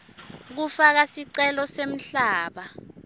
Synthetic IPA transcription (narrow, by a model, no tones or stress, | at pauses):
k̬ufak̬asiǀɛlɔsem̩ɬaːɓa